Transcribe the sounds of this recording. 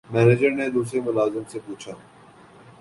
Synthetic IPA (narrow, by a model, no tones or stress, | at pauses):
mɛːned͡ʒəɾned̪uːs̬ɾemʊlaːzɪmsepuːt͡ʃʰaː